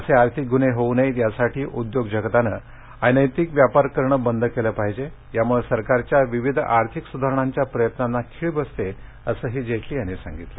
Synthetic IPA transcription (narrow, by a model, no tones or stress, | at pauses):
əseaɾt̪ʰik̚ɡuneɦounejt̪jasaʈʰiːʔud̪joɡd͡ʑəɡt̪anə | ajnəjt̪ikʋjapaɾkəɾɳəbənd̪ʱkeləpaɦid͡ʑe | jamuɭesəɾkaɾt͡ɕjaʋiʋid̪ʱaɾt̪ʰiksud̪ʱaɾəɳ̃aɲt͡ɕjapɾəjət̪nanːakʰiɭbəst̪e | əsəːɦid͡ʑet̪liːañisã̰ŋɡit̪lə̰